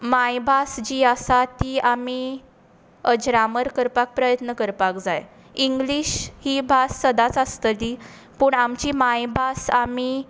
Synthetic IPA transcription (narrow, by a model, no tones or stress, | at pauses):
majbʱasd͡ʑiːasat̪iːami | əd͡ʑɾaməɾkəɾpak̚pɾəjət̪nəkəɾpakd͡zaj | iŋɡliɕhiːbʱasːəd̪at͡sast̪əli | puːɳamt͡ɕiːmajbʱasami